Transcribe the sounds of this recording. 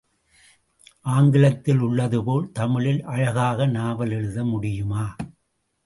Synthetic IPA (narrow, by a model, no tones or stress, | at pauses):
ʔaːŋɡɪlɐt̪ːɪlʊɭːɐðɯpoːlt̪ɐmɪɻɪlʔɐɻɐɣaːɣɐnaːʋɐlɛɻɯðɐmʊɽɪjɯmaː